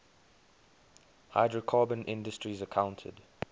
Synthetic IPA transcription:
ha̰ɪdɹəkʰɑːbə̃nʔɪ̃ndəstɹizəkʰãʊ̃ntʰə̰d

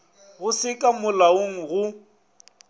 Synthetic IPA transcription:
ɣʊsɪkʼamʊlaoŋ̩ɣʊ

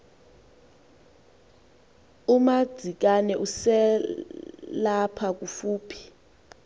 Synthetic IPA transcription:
umad̥ʱik̬ʼanɛʔusɛ | lapʰak̬ʼufuːpʰi̥

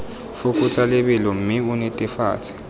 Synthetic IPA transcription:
fukʼut͡sʰalɛɓɛlɔm̩miunɛtʼɛfa̰ːt͡sʰɛ̥

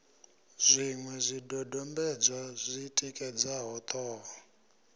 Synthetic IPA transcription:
z̥ʷiŋwɛzʷidɔdɔmbɛd͡zwazʷitʼikʼɛd͡zaɦɔt̪ʰʼɔːɦɔ

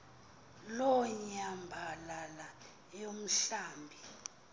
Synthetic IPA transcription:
lɔɲambʱalala | jom̩ɬaːmbʱi

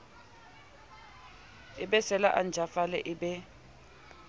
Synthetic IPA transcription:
ɪɓɛsɛlaʔand͡ʒʱafalɛʔɪɓɛ

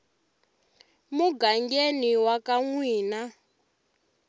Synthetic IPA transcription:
muɡaŋɡeniwakaŋwiːna

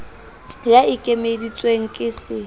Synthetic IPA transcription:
jaɪkʼemedit͡sʼweŋ̩kʼɪsɪ

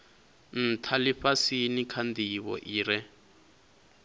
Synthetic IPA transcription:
n̩t̪ʰaliɸasinikʰand̪iβɔ̰ʔiːɾɛ

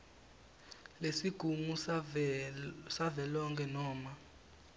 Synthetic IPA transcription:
lesiɡ̥ʱumu | savɛlɔŋkʰɛnɔːma

